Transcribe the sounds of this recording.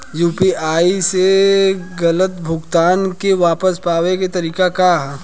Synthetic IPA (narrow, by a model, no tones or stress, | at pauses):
juːpiaːiseɡɐlət̪bʱʊɡt̪aːnkeʋaːpəspaːʋeket̪ɐɾiːkaka